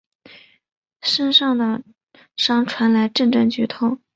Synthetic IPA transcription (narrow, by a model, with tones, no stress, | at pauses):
ʂə˥nʂɑ˥˩ŋd̪ə˩ | ʂɑ˥ŋʈ͡ʂʰwa˧˥nla˧˥ɪʈ͡ʂə˥˧nʈ͡ʂɤ˥˩ŋt͡ɕy˧˥t̪ʰo˥˩ʊ